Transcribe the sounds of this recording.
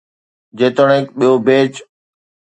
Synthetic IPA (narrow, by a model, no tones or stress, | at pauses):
d͡ʑeːt̪əɽ̃ekɓijobeːt͡ɕ